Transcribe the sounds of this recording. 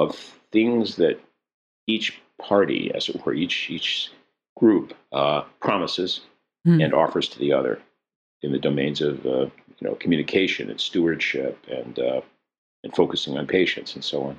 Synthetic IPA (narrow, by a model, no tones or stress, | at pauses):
ʌv̥θɪ̃ŋzðɨɾ | it͡ʃpʰɑɹɾḭɨ̰z̥ɨwə̰˞it͡ʃit͡ʃ | ɡ̥ɹuppʰɹ̥ɑməsɨz̥ | ɨ̃nɔ̰fə˞z̥tʰɨðiʌðə̰˞ | ɨ̃nðɨdoʊmẽɪ̃nzʌvʌ | jɨno̰ʊkʰm̩jʉnɨkʰeɪʃɨ̃nɨ̰̃nstuə˞d̥ʃɪpɨ̃n | ɨ̃nfoʊkɨsɪ̃ŋə̃npʰeɪʃɨ̰̃ntsn̩soʊɑ̃n